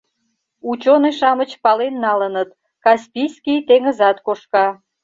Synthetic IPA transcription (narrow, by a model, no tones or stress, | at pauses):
ut͡ɕoneʃɑmət͡ɕpɑlenːɑlənət̪ | kɑspʲijskʲijt̪eŋəzɑt̪koʃkɑ